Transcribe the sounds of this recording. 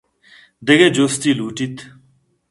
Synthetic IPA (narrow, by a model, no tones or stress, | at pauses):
d̪eɡed͡ʑoːst̪iːluːʈit̪ʰ